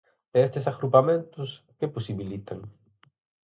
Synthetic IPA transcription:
ɛest̪esaɣɾupamẽnt̪ʊs | keposiβilit̪aŋ

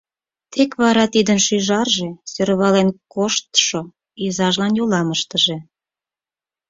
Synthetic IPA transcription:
t̪ʰekβɑɾɑt̪id̪ənʃyʒɑrʒesøɾβɑlenkoʃt̪ʃo | izɑʒlɑnjolɑməʃt̪əʒe

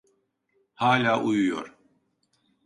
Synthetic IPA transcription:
haːlʲaːʔujujo̰ɾ

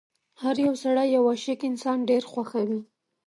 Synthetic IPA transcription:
haɾjawsaɽajawaʃekɪnsɑnɖeɾxwaxawi

